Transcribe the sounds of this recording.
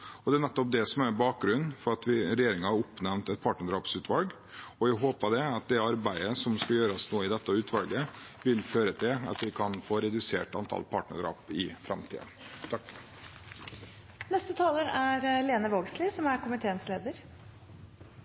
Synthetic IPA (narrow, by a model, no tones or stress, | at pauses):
ɔd̪ɛænɛt̪ːɔp̚d̪ɛsɔmæɾbɑːk̚ɡɾʉnːfɔɾɑt̪ʋɪɾɛjeːɾɪŋɑhɑɾʊpːnɛmnt̪ɛt̪̚pʰɑːʈnəɖɾɑːpsʉːt̪ʰʋɑlɡ | ɔjæɪɦoːpɑd̪ɛɑt̪̚d̪ɛɑɾbæɪəsɔmskɑljøːɾɑsnoːəɪd̪ɛt̪ːəʉːt̪ʰʋɑ̰lɡəʋɪlføːɾət̪ʰɪlɑ̰t̪ʋɪkʰɑnfoːɾɛd̪ʉsḛːʈɑ̰nt̪ʰɑ̰lpʰɑ̰ːʈɳə̰ɖɾɑ̰ːpɪfɾɛ̰mt̪ʰḭd̪ə̰ | t̪ʰɑkː | nɛst̪ət̪ʰɑːləɾæɾleːnəʋoːɡslɪsɔmæɾkʰʊmɪt̪ʰeːənsleːd̪əɾ